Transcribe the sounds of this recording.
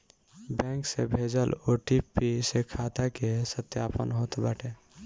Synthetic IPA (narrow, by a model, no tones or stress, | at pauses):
bɛ̃ksebʱed͡ʒəloʈipːisekʰat̪akesət̪japə̰nɦot̪baʈe